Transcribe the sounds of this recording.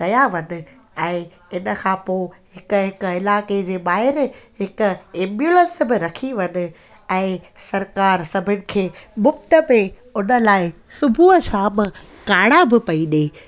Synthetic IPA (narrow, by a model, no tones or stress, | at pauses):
kɐjaʋɐnɪ̆ | ɛ̃ː | ɪnə̆kʰãːpoːɦɪkʊɦɪkɪlaːked͡ʑeːɓaːɦɪɾɦɪkʊ̆ɛ̃ːmbjulə̃nsbɪɾɐkʰiʋɐnɪ̆ | ɛ̃ː | sɐɾkaːɾsɐbʱɪñɪ̆kʰeːmʊkt̪əpe | ʊnə̆laːɪ | sʊbʱuət͡ɕʰaːm | kaːɽabɪpɐiɗeː